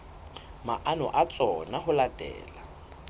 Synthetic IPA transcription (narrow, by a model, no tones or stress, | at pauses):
ma̰ʔanʊ̰ʔat͡sʼɔnaɦʊlad̥ʱɛ̰ːla